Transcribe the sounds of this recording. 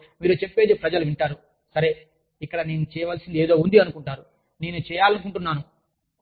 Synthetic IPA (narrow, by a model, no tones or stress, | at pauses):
miːɾut͡ʃe̞pːe̞ːd̪ipɾɐd͡ʒɐluʋiɳʈaːɾu | sɐɾe̞ | ikːɐɽɐneːnut͡ʃɛːjɐʋaːlsind̪ieːd̪o̞ːund̪iɐnukuɳʈaːɾu | ne̞ːnut͡ʃɛːjaːlɐnukuɳʈunːaːnu